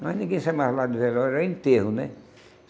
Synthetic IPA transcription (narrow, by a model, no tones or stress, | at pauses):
ɑinekinsemɑhlɑnuselorent̪ːiehunḛ